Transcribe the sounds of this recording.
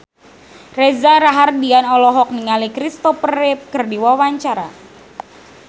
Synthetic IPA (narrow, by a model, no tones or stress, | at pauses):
rɛzaɾaɦardianɔlɔɦɔk̚niŋalikɾist̪ɔpərɛp̚kɨrdiwawaɲt͡ʃaɾa̰